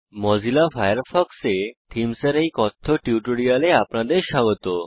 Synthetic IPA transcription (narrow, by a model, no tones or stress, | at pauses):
mɔd͡zilafajəɾfɔkset̪ʰimsəɾikɔt̪ʰːɔʈjuʈuɽialeapɳad̪eɕaɡt̪o